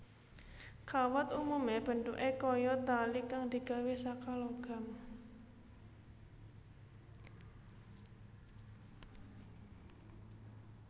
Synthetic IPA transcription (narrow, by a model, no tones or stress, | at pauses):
kʰawɔt̪umumeb̥ə̤ɳt̪uʔekɔjɔt̪alikaŋd̪̥i̤ɡ̥a̤wesakaloɡ̥a̤m